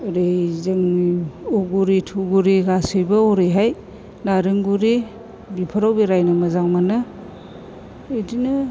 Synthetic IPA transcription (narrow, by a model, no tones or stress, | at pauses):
ɾejzɯŋuɡuɾitʰuɡuɾiɡasɯjbaoɾɯjɦaj | naɾɯŋɡuɾi | bipʰaɾawbiɾajnɯmɐzaŋmanɯ | idinɯ